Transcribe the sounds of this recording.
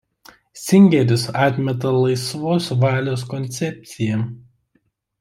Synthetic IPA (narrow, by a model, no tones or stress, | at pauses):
sʲɪŋʲɡʲɛɾʲɪsɑːt̪ʲmʲɛt̪ɐlˠɐɪsʋoːsʋɑːlʲoːskɔnʲt̪sʲɛp̚ʲt̪sʲɪjɛ